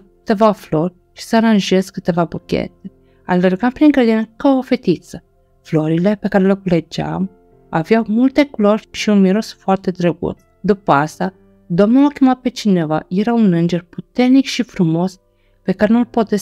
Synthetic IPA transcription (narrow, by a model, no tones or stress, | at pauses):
ɨt̪e̞vaflorʲ | ʃi̥səaɾanʒeskɨt̪e̞vabukʲḛt̪e | alerɡampɾiŋɡɾed̪inkaofet̪it̪sə | floɾilepe̞kaɾelekuled͡ʒa̰m | a̰vjawmult̪e̞kloɾʲʃiunmiɾo̞sfoart̪e̞d̪ɾeɡṵt̪ | d̪upəast̪a | d̪omnoakʲemat̪̚pet͡ʃineva̰jeɾaunɨnd͡ʒerput̪ernikʃifɾumo̞s | pekaɾenulpot̪e